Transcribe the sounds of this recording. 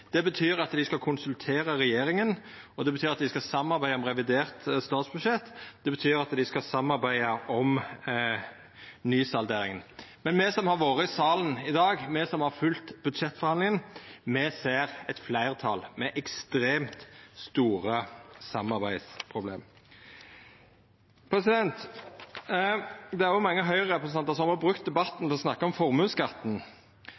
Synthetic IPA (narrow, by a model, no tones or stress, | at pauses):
d̪̥ɛbət̪ʰyːɾɑt̪d̪ɪskɑlkʰʊnsʉlt̪ʰeːɾəʁɛjeːɾɪŋən | ɔd̪ɛbət̪ʰyːɾɑt̪̚d̪ɪskɑsɑmːɑɾbæɪəɔmʁɛʋɪd̪eːʁt̪st̪ɑːt̪sbʉʃɛt̪ːd̪̥ɛbət̪ʰyːɾɑt̪d̪ɪskɑsɑmːɑɾbæɪəʔɔm | nyːsɑld̪eːɾɪŋənmɛnmɛsɔmhɑɾʋoːʁəsɑːlənɪd̪ɑːɡmɛsɔmhɑɾfʉlt̪bʉd̪ʂɛt̪ːfɔʁhɑnlɪŋənmɛseːʁɛt̪flæɪʁt̪ʰɑlmɛʔɛkst̪ɾeːmt̪st̪uːʁəsɑmːɑʁbæɪd̪spʰʁʊblḛːm | pʰʁɛsɪd̪ɛnt̪ | d̪ɛæɾjʊmɑŋːəɦœʏʁəʁɛpɾəsnɛnt̪əs̬ɔɑmɔɑbʁʉk̚t̪̚d̪ɛbɑt̪ːn̩t̪ʰɛɔsnɑkːəɔmfɔʁmʉːnskɑt̪ːn̩